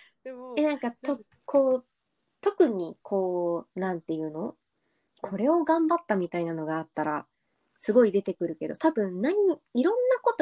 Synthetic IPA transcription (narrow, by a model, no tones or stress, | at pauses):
enãŋkat̪o | kʰo̞ː | t̪o̞kɯ̟ɲ̟ikʰo̞ːnãnt̪e̞jɯ̟ːno̞ | kʰo̞ɾe̞o̞ɡãmbat̪ːamʲit̪ainano̞ɡaːt̪ːaɾa | sɨɡo̞id̪e̞t̪e̞kɯ̟ɾɯ̟ke̞d̪o̞t̪abɯ̟̃nnaɲ̟iiɾõ̞nːako̞t̪o